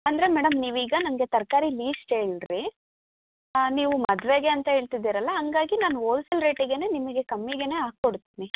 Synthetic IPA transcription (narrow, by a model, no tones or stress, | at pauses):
ɐnd̪ɐɾe̞mɛːɽɐmniːʋiːɡɐnɐmɐɡe̞t̪ɐɾkaːɾiliːsʈe̞ːɭiɾi | niːʋumɐd̪ʋe̞ɡe̞ɐnt̪ɐɦe̞ːɭt̪id̪ːiːɾɐlːɐɦɐŋɡaːɡinaːnuoːlsilɾe̞ːʈiɡe̞neːnimɐɡe̞kɐmːiɡe̞ne̞ːɦaːɡkoɽt̪iːni